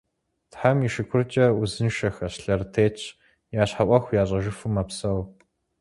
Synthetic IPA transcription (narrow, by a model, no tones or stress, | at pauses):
tħamiʃɪkʷʰʊrt͡ʃʼɐuzɨnʃɐxɐɕɬɐrtʰeːt͡ʃʰ | jaːɕħaʔʷɐxʷjaːɕʼɐʒɪfɨmɐpsɐw